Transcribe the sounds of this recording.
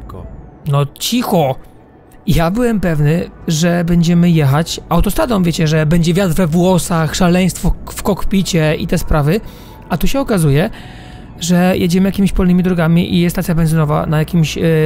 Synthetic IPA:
nɔt͡ɕixɔ | jabɘwɛmpɛvnɘʐɛbɛɲd͡ʑɛmɘjɛxat͡ɕawt̪ɔst̪ɾad̪ɔmvʲjet͡ɕɛʐɛbɛɲd͡ʑɛvʲjat̪ɾvɛvwɔsaxʂalɛj̃st̪fɔfkɔkpʲit͡ɕɛḭt̪ɛspɾavɘ | at̪uɕɛɔkazujɛ | ʐɛjʔed͡ʑɛmɘjakʲimiɕpɔlnɘmʲid̪ɾɔɡamʲiʔḭst̪asʲjabɛnzɘnɔva̰najakʲimɕ

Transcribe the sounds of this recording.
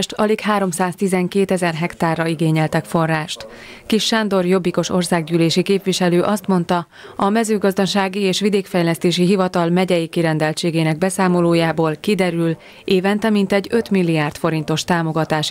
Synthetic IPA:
ʃt̪ɒlikhaːɾo̞msaːst̪izɛŋkeːt̪ɛzɛrɦɛkt̪aːrːɒiɡeːɲɛlt̪ɛkfo̞rːaːʃt̪kiʃːand̪o̞rjo̞bːiko̞ʃo̞rsaːɡɟyːleːʃikeːpvʋiʃɛløːʔɒst̪mo̞nt̪ɒ | ɒmɛzøːɡɒzd̪ɒʃaːɡieːʃʋid̪eːkfɛjlɛst̪eːʃiɦivɒt̪ɒlmɛɟɛjikiɾɛnd̪ɛlt͡ʃeːɡeːnɛɡ̚bɛsaːmo̞loːjaːboːlkid̪ɛɾyl | eːvɛnt̪ɛmint̪ɛɟø̞t̪milːijaːrt̪fo̞ɾint̪o̞ʃt̪aːmo̞ɡɒt̪aːʃ

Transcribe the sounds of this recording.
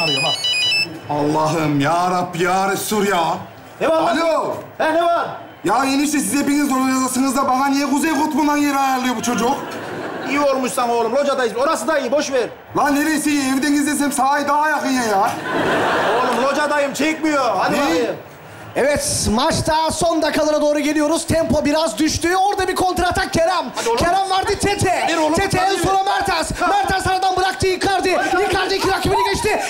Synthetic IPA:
alˠːɯma | ɑlˠːɑɦɯmjaːɾapjaːɾɯsuɾja | ebaalʲoɛneva | jaːeniʃt̪ɛsizepiŋizoɾjazasɯŋɯzd̪abananijɛkuzejqʰot̪bund̪anjeɾajaɾlˠɯjobut͡ʃʰo̞d͡ʒuqijiolˠmuʃsamoːlˠumlˠod͡ʒad̪ajɯoɾasɯd̪aijiboʃveɾ | laneɾejsijɛɛvd̪ɛnɡizles̬ɛmsaːjɯd̪aːjakɯnjajaː | olˠumlˠod͡ʒad̪ajɯmt͡ʃʰekʲmijoa | evɛt̪mat͡ʃt̪aso̞nd̪akʰːalˠaɾad̪o̞ːɾuɡe̞lʲijo̞ɾuz̥t̪ʰɛmpo̞biɾazd̪yʃt̪yoɾd̪abiɾkʰo̞nt̪ɾat̪akʲʰeɾamkʲʰeɾamvaɾd̪ɯt̪ʰet̪ʰeɾoet̪ʰensoɾomæɾt̪ʰasmæɾt̪ʰasaɾad̪anbɯɾak̚t̪ʰɯjikʰaɾd̪ɯjikʰaɾd̪ɯkʰʲiɾakimininʲeʃt̪ɪ

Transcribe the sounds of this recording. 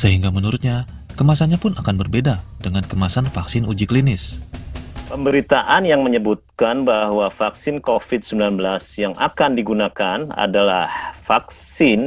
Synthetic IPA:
səɦiŋɡamənuɾʊt̪̚ɲa | kəmasanɲapʊnakanbərbedadəŋankəmasanfaksɪnud͡ʒiklinɪs | pəmbəɾit̪aʔanjaŋməɲəbut̪̚kanbahwafaksɪnkofɪt̪̚səmbilanbəlasjaŋʔa̰kandiɡunakana̰dalahfaksɪn

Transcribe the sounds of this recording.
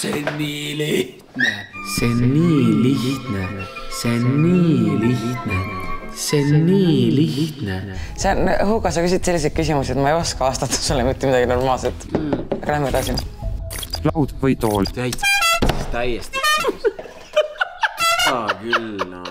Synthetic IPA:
seniːliht̪neseniːlih̪ne | seniːliht̪neseniːliht̪nesenɦukɑsɑkys̬id̪se̞lːis̬ed̪̚kys̬imusiet̪mɑejo̞skɑɑːst̪ɑt̪ːɑ̥solemit̪ːemid̪ɑɡ̥ino̞rmɑːlset̪ːˑkɾæhmed̪ɑsin | lɑwd̪vɯjt̪oːlvæjt̪sist̪æjest̪i | ɑkyl

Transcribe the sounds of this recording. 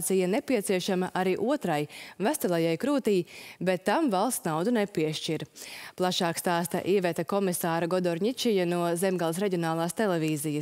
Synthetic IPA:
t̪sijanepiɛt̪siɛʃamaʔaɾiːʔuɔt̪ɾajvæst̪ɛlˠajajkɾuːt̪iːbet̪ːamvalˠst̪nawd̪unɛpiɛʃt͡ʃiɾplˠaʃaːkst̪aːst̪a̰ʔiɛvɛt̪akɔmisaːɾaɡɔd̪ɔɾɲʲit͡ʃijanuɔzɛmɡalˠis̬ɾɛɟʲiɔnaːlˠaːst̪elˠɛviːzijə

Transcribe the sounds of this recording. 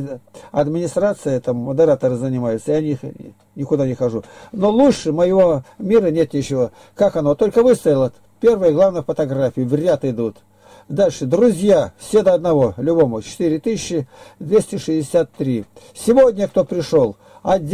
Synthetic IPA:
ɐd̪mʲɪnʲɪst̪ɾat̪sɨjət̪amməd̪əɨɾat̪əɾɨzənʲɪmajʊt̪səjanʲix | nʲɪkʊd̪anʲɪxɐʐuno̞lˠuʂɨməjɪvomʲiɾənʲe̞t̪nʲɪt͡ɕɪvo̞ | kakɐno̞t̪o̞lʲkəvɨst̪əjɪlˠə | pʲe̞rvəjəɡlˠavnəjəfət̪ɐɡɾafʲɪjʊvɾʲat̪ɨd̪ut̪ | d̪alʲʂɨd̪ɾʊzʲjafsʲed̪əɐd̪nɐvo̞lʲʊbo̞mʊt͡ɕɪ̥t̪ɨɾʲɪt̪ɨsɕːɪd̪vʲesʲtʲɪʂɨɪdʲɪsʲat̪ːɾʲi | sʲɪvodʲnʲək̚t̪o̞pɾʲɪʂo̞lˠ | ɐd̪ʲ

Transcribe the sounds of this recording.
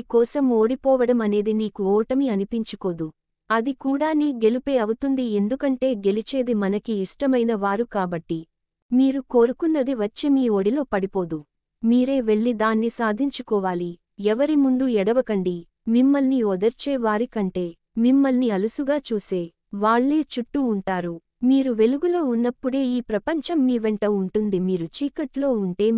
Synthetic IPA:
iːkɔːsɐmo̞ːɽipɔːʋɐɽɐmɐne̞ːd̪iniːkuɔːʈɐmiɐnipiɲt͡ʃuko̞ːd̪u | ɐd̪ikuːɽaːniːɡe̞lipe̞ːɐwut̪und̪ie̞nd̪ukɐɳʈe̞ːɡe̞lit͡ʃe̞ːd̪imɐnɐkiːʂʈɐmɐjnɐʋaːɾukaːbɐʈːi | miːɾuko̞ːɾukunːɐd̪iʋɐt͡ʃːemiːoːɽilo̞ːpɐɽipoːd̪u | miːɾe̞ːʋe̞ɭːid̪aːnːisaːd̪ʱiɲt͡ʃukɔːʋaːli | ɛʋɐɾimund̪uɛɽɐʋɐkɐɳɖi | mimːɐlniɔd̪ɐɾt͡ʃeːʋaːɾikɐɳʈe̞ː | mimːɐlniɐlusuɡaːt͡ʃuːse̞ː | ʋaːɭːeːt͡ʃuʈːuːɳʈaːɾu | miːɾuʋe̞luɡulo̞ːunːɐpːuɽe̞ːiːpɾɐpɐɲt͡ʃɐmːiːʋeɳʈɐuɳʈund̪imiːɾut͡ʃiːkɐʈlo̞ːuɳʈe̞ː

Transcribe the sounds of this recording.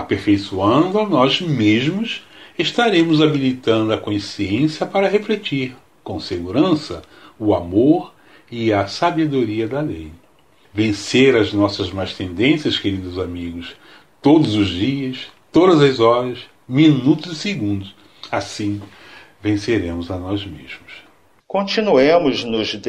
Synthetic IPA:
apeɾfejsuɐ̃nd̪ʊɐnɔzmezmʊs | eʃt̪aɾẽmʊzabilit̪ɐ̃nd̪ʊɐkõsiẽsjɐpaɾɐɦeflet͡ʃiɾ | kõseɡuɾɐ̃sɐ | ʊamoɾ | ɪɐsabed̪oɾiɐd̪ɐlej | vẽseɾɐznɔsɐzmajʃt̪ẽnd̪ẽsjɐskeɾid̪ʊzamiɡʊs | t̪od̪ʊzʊzd͡ʒiɐs | t̪od̪ɐzɐzɔɾɐs | minut̪ʊzɪseɡũnd̪ʊs | asĩ | vẽseɾẽmʊzɐnɔzmezmʊs | kõt͡ʃinuẽmʊznʊzd̪

